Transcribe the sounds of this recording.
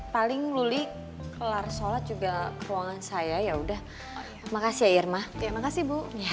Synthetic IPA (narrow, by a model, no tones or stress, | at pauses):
palɪŋluli | kəlarsolat̪̚d͡ʒuɡakəɾuwaŋansajajaudah | makasiairmajamakasibuja